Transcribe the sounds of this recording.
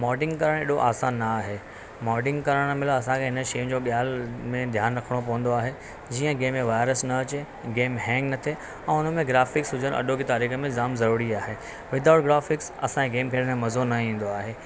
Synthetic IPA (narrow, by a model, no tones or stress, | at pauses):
mɔːɖɪ̃ŋɡkɐɾəɽ̃ḛːɗoʔaːsaːnːaːɦeː | mɔːɖɪ̃ŋɡkɐɾəɽ̃mɪləɐs̬ãkʰeɦɪnə̆ʃɐjʊ̃d͡ʑoːɓijaːlmẽd̪ʱjaːnɾɐkʰəɽ̃opɐʋə̃nd̪oaːɦe | d͡ʑiːə̃ɡeːmːẽʋaːɪɾəsnɐɐt͡ɕe | ɡeːmɦɛ̃ːŋɡnɐt̪ʰe | ɛ̃ːʊn̤ə̆mẽɡɾaːfɪksɦʊd͡ʑʱəɽ̃ɐ̰ɗokit̪aːɾiːxə̆mẽzaːmzɐɾuːɾiaːɦeː | ʋɪd̪ʱaʊʈɡɾaːfɪksɐ̰sãkʰeɡeːmkʰeːɽ̃mẽmɐzonɐĩːn̆d̪oaːɦeː